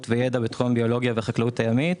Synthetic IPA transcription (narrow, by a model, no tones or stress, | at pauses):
tvejedabet̪χombio̞lo̞ɡjaveχaklautajamit